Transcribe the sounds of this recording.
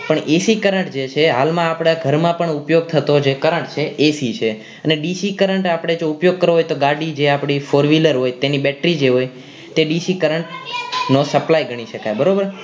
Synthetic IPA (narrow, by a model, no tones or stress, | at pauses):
pəɳʔesikəɾəɳʈd͡ʒet͡ʃʰeɦalmãapɽ̃aɡʱəɾmãpəɳupjoɡ̚t̪ʰət̪od͡ʒʰekəɾəɳʈt͡ʃʰeʔesit͡ʃʰe | əneɖisikəɾəɳʈapɽ̃ed͡ʒoupjoɡ̚kəɾoɦojt̪oɡaɽid͡ʒeapɽ̃ifoɾʋiləɾɦojt̪enibɛʈɾid͡ʒeɦoj | t̪eɖisikəɾəɳʈnosəplajɡəɽ̃iʃəkajbəɾobəɾ